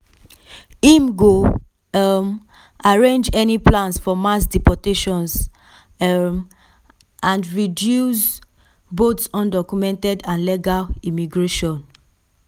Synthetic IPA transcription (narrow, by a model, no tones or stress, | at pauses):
imɡo | m | aɹẽnd͡ʒɛniplãnsfɔmasdipɔteʃɔ̃ns | m | ãndɹidjus | botsɔ̃ndɔkumɛ̃ntɛdãnleɡalimiɡɹeʃɔ̃n